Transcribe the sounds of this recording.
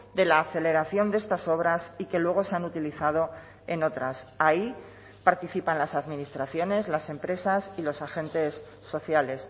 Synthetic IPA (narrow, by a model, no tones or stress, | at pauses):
d̪e̞laːθe̞le̞ɾaθjo̞nd̪e̞st̪aso̞βɾasike̞lwe̞ɣ̞o̞se̞anut̪iliθað̞o̞ | e̞no̞t̪ɾasai | paɾt̪iθipanlasaðmĩnist̪ɾaθjo̞ne̞zlase̞mpɾe̞sasilo̞saxẽ̞nt̪e̞sː | o̞θjale̞s